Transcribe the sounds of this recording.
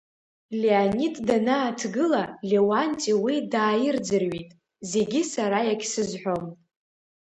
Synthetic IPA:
leanitʰʼdanaːtʰɡɨlalʲewantʼiwidaːjɪrd͡zɨrɥitʼ | ze̞ɡʲisaɾajakʲʰsɨzħʷo̞m

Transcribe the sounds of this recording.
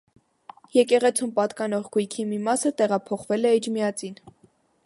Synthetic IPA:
jɛkɛʁɛt͡sʰumpɑt̪kɑnɔʁɡujkʰimimɑsət̪ɛʁɑpʰɔχvɛlɛid͡ʒmiɑt͡sin

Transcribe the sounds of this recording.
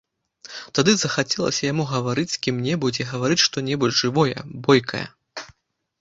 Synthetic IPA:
t̪ad̪ɨzɐxat͡sʲɛlˠɐ̰sʲɐjamuɣɐvaɾɨt͡sʲsʲkʲimnʲɛbud͡zʲɛɣɐvaɾɨt͡sʲʂt̪ɔnʲɛbud͡zʐɨvɔjɛ̰bɔjkʰɐ̰jɐ̰

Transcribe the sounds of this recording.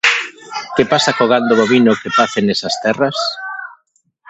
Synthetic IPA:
kepasakoɣ̞and̪ʊβoβinʊkepaθenesɐst̪ɛrɐs

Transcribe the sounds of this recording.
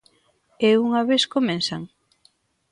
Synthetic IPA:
euŋɐβeskomẽnsaŋ

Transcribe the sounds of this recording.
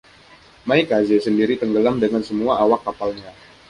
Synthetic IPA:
maikazesəndiɾit̪əŋɡəlamdəŋansəmuaʔawakːapalɲa

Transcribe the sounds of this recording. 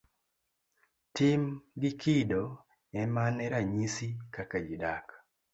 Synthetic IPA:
timɡɪkʰido | ɛmanɛɾaɲisikakad͡ʒidak

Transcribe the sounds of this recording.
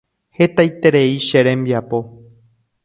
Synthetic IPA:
he̞t̪ajt̪e̞ɾeiʃeɾẽmbiapo̞

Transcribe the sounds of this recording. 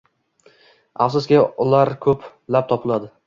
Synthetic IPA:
afsʊskʲɪʊlaɾkʰɵp | lap̚t̪ʰɒpʰɪlˠad̪ɪ

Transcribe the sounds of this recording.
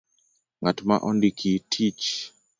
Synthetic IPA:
ŋatma̰ʔɔndikʰitʰit͡ʃ

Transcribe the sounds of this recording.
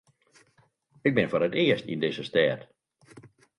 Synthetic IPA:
ɪɡ̚bɪnfoɾətɪəstḭndɪzəstɛːt

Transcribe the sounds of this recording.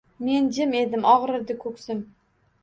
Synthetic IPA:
me̞nd͡ʒɪme̞d̪ɪmʔɒʁɾɨɾd̪ɪkʰɵksɪm

